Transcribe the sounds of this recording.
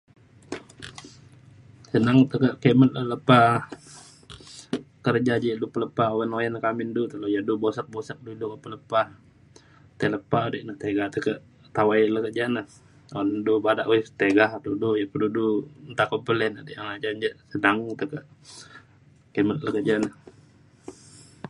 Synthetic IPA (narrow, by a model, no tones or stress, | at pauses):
sənaŋt̪əkəʔkemət̪lələpa | kərd͡ʒad͡ʒədupələpaowənojankamindut̪əlojadubosək̚bosək̚duidukəpələpa | t̪ələpaodəʔnəht̪eɡaht̪əkəʔ | t̪awajləkəd͡ʒanəh | ondubadaʔoist̪eɡahdudujaʔpədudunt̪akɔmpəlɛnadəʔjaŋlad͡ʒand͡ʒəʔsənaŋt̪əkəʔ | kemət̪̚ləkəd͡ʒanəh